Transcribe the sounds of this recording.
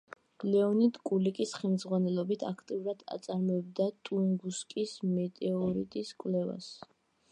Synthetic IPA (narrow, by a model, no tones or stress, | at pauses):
lɛɔnit̪kʼulikʼisχɛlmzʁwanɛlˠɔbit̪ʰakʰt̪ʼiuɾad̪̥a̰t̪sʼaɾmɔɛb̚d̪at̪ʼuŋɡuskʼismɛt̪ʼɛɔɾit̪ʼiskʼvlɛva̰s